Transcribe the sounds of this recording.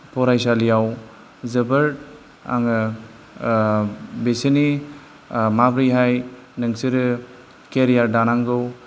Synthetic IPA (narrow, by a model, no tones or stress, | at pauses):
pɔɾajsalijaw | zɯbɯɾ | a̰ŋɯ | besini | mabɾijɦaj | nɯŋsiɾɯ | keɾijaɾdanaŋɡɯw